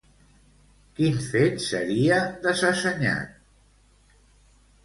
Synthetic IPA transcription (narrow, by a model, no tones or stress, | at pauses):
kinfet̪sə̰ɾiəðəzəsəɲa̰t̪̚